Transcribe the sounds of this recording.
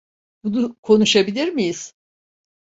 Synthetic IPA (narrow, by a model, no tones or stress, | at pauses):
bunukʰo̞nuʃabilʲiɾmijiz̥